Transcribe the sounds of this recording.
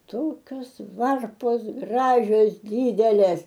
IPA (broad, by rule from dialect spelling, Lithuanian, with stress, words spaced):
ˈtoːkʲoːs ˈʋɐrpoːs ˈɡrɑːʒʲoːs ˈdʲiːdʲɛlʲeːs